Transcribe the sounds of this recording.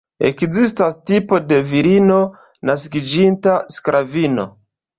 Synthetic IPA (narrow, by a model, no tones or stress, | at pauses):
ḛkzistastipo̞de̞viɾino | naskid͡ʒintaskɾʔavino̞